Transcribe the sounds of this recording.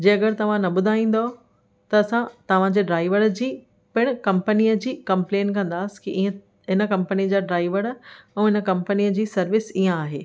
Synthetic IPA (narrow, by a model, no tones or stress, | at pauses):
d͡ʑẽːɐɡəɾt̪ɐʋ̤ãnɐɓʊd̪ʱaːĩːn̆d̪o | t̪ɐːsãt̪ɐʋ̤ãd͡ʑeːɖɾaːɪʋəɾd͡ʑiː | pɪɽ̃kɐ̃mpənijəd͡ʑiːkɐ̃mplẽːnkɐ̃nd̪aːsɪ̥kiʔiə̃ | ɦɪnə̆kɐ̃mpəniəd͡ʑaːɖɾaːɪʋəɾũɦɪnəkɐ̃mpənijəd͡ʑiːsɐɾʋɪsiːə̃aːɦeː